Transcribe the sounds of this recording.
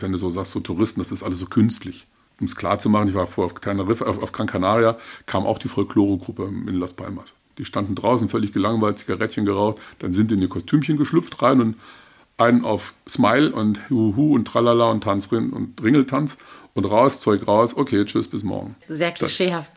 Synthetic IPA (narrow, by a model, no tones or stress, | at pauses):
vɛnduːzoːzaːkstz̥oːtʰuʁɪstn̩d̥asɪstʔaləs̬z̥oːkʰʏnstʰlɪç | ʔʊmskʰl̥a̰ːɐt͡sumaχn̩ɪçv̥aːɐfoɐʊfkanɐʁɪfafaʊfkʁ̥aŋkʰanaːʁjakʰaːmʔa̰ʊxd̥iːfɔlkʰloːʁoɡʁʊpəɪ̰nlaspʰa̰lmas | d̥iːʃtandn̩dʁaʊsn̩fœlɪçɡ̥əlaŋvaɪltt͡siɡaʁɛtçənɡəʁaʊxtd̥anzɪntdiːɪniːɐkʰɔstʰyːmçənɡəʃlʏpp͡fftʁaɪnʊnt | ʔaɪnəna̰ʊfsmaɪlʔʊnthuɦuːʊntʁ̥alalaʊntʰant͡sʁɪnʊ̰ntʁɪŋl̩tʰant͡sʔʊntʁaʊst͡sɔʏkʁaʊsʔokʰeːt͡ʃʏsb̥ɪsmɔ̰ɐɡŋ̩zeːɐkʰld̥asʃeːhaft